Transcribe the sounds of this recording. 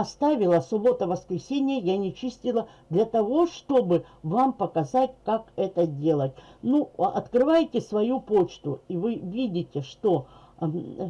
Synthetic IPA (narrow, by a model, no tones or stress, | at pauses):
ɐst̪avʲɪlˠəsʊbo̞t̪əvəskɾʲɪsʲenʲɪjəjanʲɪt͡ɕisʲtʲɪlˠə | d̪lʲɐt̪ɐvo̞ʂt̪o̞bɨvampəkɐzatʲkakɛt̪ədʲe̞lˠət̚ʲnuɐt̪kɾɨvajɪtʲɪsvɐjupo̞t͡ɕt̪ʊivɨvʲidʲɪtʲɪʂt̪o̞